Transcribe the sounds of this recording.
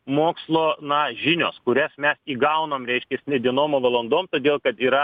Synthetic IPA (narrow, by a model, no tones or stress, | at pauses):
moːkslˠoːnɐʒʲɪnʲo̰ːskʊɾʲɛsmʲɛsiːɡɐʊnɐmɾʲɛɪʃʲkʲɛsnʲɛd̪ʲiɛnoːmoʋɐlˠɐnd̪oːmt̪oːd̪ʲeːlˠkɐt̪iːɾɐ